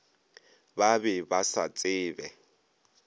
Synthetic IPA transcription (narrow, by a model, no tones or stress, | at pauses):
babɛbasa̰t͡sʼɪːbɛ